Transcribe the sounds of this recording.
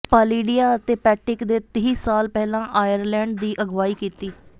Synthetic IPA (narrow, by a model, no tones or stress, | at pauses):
pəːliːɖijaːət̪eːpɛːʈɪkd̪eːt̪əɦiːsaːlpɛːlãːʔaːjəɾlɛ̃ːɳɖd̪iːʔəɡʋaːiːkiːt̪iː